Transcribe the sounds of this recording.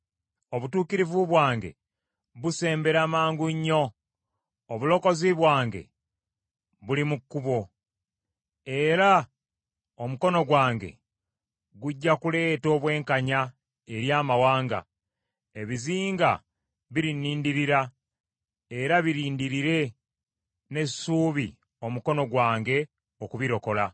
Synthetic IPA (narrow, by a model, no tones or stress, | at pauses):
o̞βutuːkiɾivuβwaːŋɡe̞̰ | βuse̞ːmbe̞ɾamaːŋɡuɲːo̞ː | βulo̞ko̞ziβwaːŋɡe̞̰ | βulimukːuβo̞ | e̞ɾa | o̞muko̞no̞ɡwaːŋɡe̞̰ | ɡuɟːakule̞ːto̞ːβwe̞ːŋkaɲa | e̞ɾjaːmawaːŋɡa̰ | e̞βiziːŋɡa | βiɾiniːndiɾiɾa | e̞ɾaβiɾiːndiɾiɾe̞ | ne̞suːβi | o̞muko̞no̞ɡwaːŋɡe̞ | okuβiɾo̞ko̞la